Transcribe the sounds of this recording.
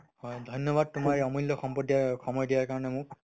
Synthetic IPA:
hɔjdʱɔjnjɔbad̚tʊmaɹɛɔmɔlːɔxɔmpɔtdiaxɔmɔjdijaɹkaɹɔnɛmʊk

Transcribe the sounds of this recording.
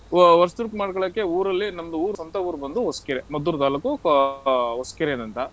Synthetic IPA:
ʋɐɾst̪uɾkmaːɖkɔɭːkːeuːɾɐlːinɐmd̪uuːɾsɐnt̪ɐuːɾubɐnd̪uɦoskɐɾemɐd̪uːɾd̪aːlɐku | ɦɔskɐɾed̪ɐnt̪ɐ

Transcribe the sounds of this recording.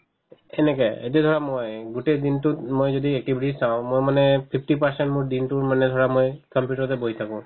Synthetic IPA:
ɛnɛkɛḛt̬iɛd̪ʱɔɹamojɡutedintutmojzodiɛk̚ʈibʱiʈisaʊ̃mojmanɛpʰipʰʈipaɹsɛntmʊɹdintuɹmanɛd̪ʱɔɹamojkɔmpjuʈɔɹtɛboɦit̪ʰakʊ̃

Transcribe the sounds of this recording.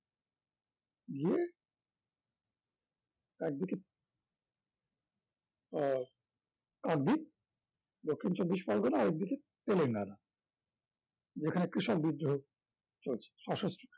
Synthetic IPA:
ɡie | ɛk̚d̪ike | kak̚d̪ik̚ | d̪okʰːint͡ɕobːiʃfɔlɡonaaɾɛk̚d̪ike | t̪eleŋɡaɾa | d͡ʑekʰanekɾiʃok̚bid̪ːoo | t͡ɕolt͡ɕʰe̥ʃɔʃosʈo̥

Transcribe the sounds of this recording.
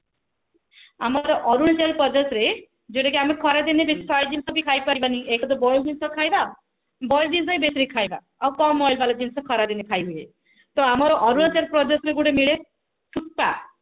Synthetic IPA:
amɔɾɔʔɔɾunt͡ʃeɾpɔd͡ʒɔsɾe | d͡ʒeʈekiamekʰɔɾad̪inebespʰajd͡ʒinsɔbikʰajpaɾibaniekʰɔd̪ɔbɔjd̪insɔkʰajba | bɔjd̪ind̪ajbesɾikʰajba̰ | awkɔmːɔjlbalad͡ʒinsɔkʰɔɾad̪inekʰajbʱuje | t̪ɔamɔɾɔʔɔɾunt͡ʃeɾpɾɔd͡ʒɔsɾeɡuɽemiɭe | ʈʰus̚pa

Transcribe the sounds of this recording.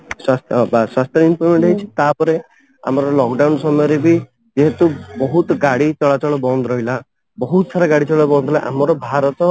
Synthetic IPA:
swast̪ʰbaswast̪jɔimplemeɳʈɦejt͡ʃʰi̥t̪apɔɾe | a̰mɔɾɔlɔkɖawnsɔmɔjɔɾebi | d͡ʒeɦet̪ubɔɦut̪ɔɡaɽit͡ʃɔɭat͡ʃɔɭɔbɔnd̪ɔɾɔɦila | bɔɦut̪saɾaɡaɽit͡ʃɔɭɔbɔnd̪ʱlaʔa̰mɔɾɔbʱaɾɔt̪ɔ

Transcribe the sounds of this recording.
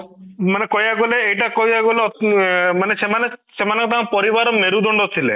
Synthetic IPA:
manekɔjaɡoleejʈakɔjaɡoleɔmanesemanesemanakɔt̪ãpɔɾiʋaɾɔmeɾud̪ɔɳɖɔt̪ʰilḛ

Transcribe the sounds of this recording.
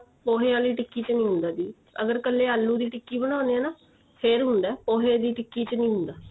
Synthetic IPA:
poːɦeːaːliːʈɪkːiːt͡ʃnĩːɦʊ̃nd̪aːd̪iː | ə̰ɡəɾkəlːeːalːũːd̪iːʈɪkːiːbəɽ̃ãːnd̪eɛ̃ːnaː | pʰeɾɦʊ̃nd̪ɛːpoːɦeːd̪iːʈɪkːiːt͡ʃnĩːɦʊ̃nd̪aː

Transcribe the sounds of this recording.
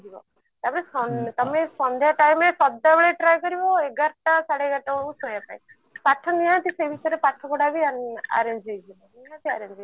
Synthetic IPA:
d̪ʱibɔ̰ | t̪apɔnesɔt̪ɔmesɔnd̪ʱjaʈajmesɔd̪abeɭeʈɾajkɔɾibɔeɡaɾʈasaɽeɡaʈausjapaĩ | paʈʰːɔniãt̪isebʱit̪ɔɾepaʈʰːɔkɔɽabiana̰ɾend͡ʒejd͡ʒʱibɔiɦãt̪iaɾend͡ʒ

